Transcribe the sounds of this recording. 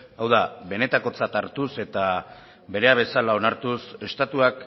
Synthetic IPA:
awðaβe̞ne̞t̪ako̞t͡sat̪aɾt̪use̞t̪a | βe̞ɾe̞aβe̞salao̞naɾt̪use̞st̪at̪uak

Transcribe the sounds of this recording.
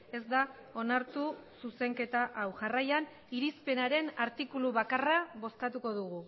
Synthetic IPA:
e̞zd̪a | o̞naɾt̪ususe̞ŋke̞t̪aʔawʝarajan | iɾispe̞naɾe̞naɾt̪ikuluβakaraβo̞skat̪uko̞ðuɣu

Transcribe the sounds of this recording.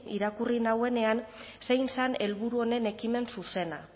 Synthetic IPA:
iɾakurinawe̞ne̞an | se̞jnsane̞lβuɾuo̞ne̞ne̞kime̞nsuse̞na

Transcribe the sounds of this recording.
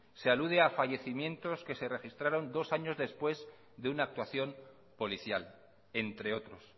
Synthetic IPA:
se̞aluð̞e̞afaʝe̞θimjẽ̞nt̪o̞ske̞se̞re̞xist̪ɾaɾo̞nd̪o̞saɲo̞zðe̞spwe̞z | ðeunaːk̚t̪waθjo̞m | po̞liθja̰l | e̞nt̪ɾe̞o̞t̪ɾo̞s

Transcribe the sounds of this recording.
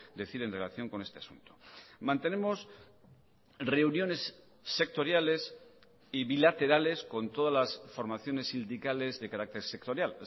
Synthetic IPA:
d̪e̞θiɾe̞nre̞laθjo̞ŋko̞ne̞st̪e̞asṵnt̪omãnt̪e̞ne̞mo̞s | re̞unjo̞ne̞sː | e̞k̚t̪o̞ɾjale̞s | iβilat̪e̞ɾale̞sko̞nt̪o̞ðazlasfo̞ɾmaθjo̞ne̞sind̪ikale̞zðe̞kaɾak̚t̪e̞ɾsek̚t̪o̞ɾjal

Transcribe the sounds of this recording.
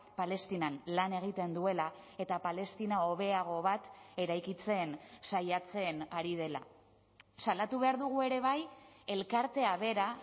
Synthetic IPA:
pale̞st̪inanlane̞ɣ̞it̪e̞nd̪ue̞lae̞t̪apale̞st̪inao̞β̞e̞aɣ̞o̞βat̪e̞ɾajkit͡se̞ːnsajat͡se̞naɾið̞e̞la̰ | salat̪uβe̞aɾðuɣue̞ɾe̞β̞aje̞lkaɾt̪e̞aβe̞ɾa

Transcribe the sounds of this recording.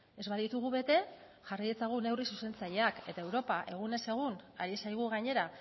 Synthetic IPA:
e̞zβaðit̪uɣ̞uβe̞t̪e̞ | ʝaraje̞t͡saɣ̞une̞wrisuse̞nt͡saʎe̞ake̞t̪ae̞wɾo̞paʔe̞ɣune̞se̞ɣ̞una̰ɾisajɣ̞uɣaɲe̞ɾa

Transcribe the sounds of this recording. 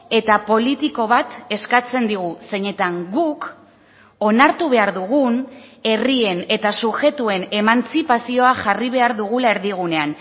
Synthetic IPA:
e̞t̪apo̞lit̪iko̞β̞at̪e̞skat͡se̞nd̪iɣ̞use̞ɲe̞t̪aŋɡuk | o̞naɾt̪uβe̞aɾðuɣ̞une̞rie̞ne̞t̪asuxe̞t̪ue̞ne̞mant͡sipasio̞aʝariβ̞e̞aɾðuɣ̞ulae̞ɾðiɣ̞une̞an

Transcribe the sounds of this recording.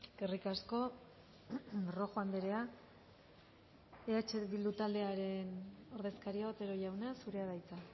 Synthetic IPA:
ɡerikasko̞ | ro̞xoand̪eɾe̞a | eat͡ʃeβild̪ut̪ald̪e̞aɾe̞no̞ɾðe̞skaɾiaβot̪e̞ɾo̞ʝawnasuɾe̞aðajt͡sa

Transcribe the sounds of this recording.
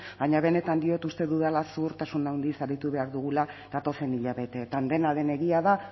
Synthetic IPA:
b̥aɲaβe̞ne̞t̪and̪io̞t̪ust̪e̞ðuðalasuɾt̪asunawnd̪isaɾit̪uβe̞aɾðuɣ̞ulað̥at̪o̞se̞niʎaβe̞t̪e̞ːt̪and̪e̞nalðe̞ne̞ɣiaða

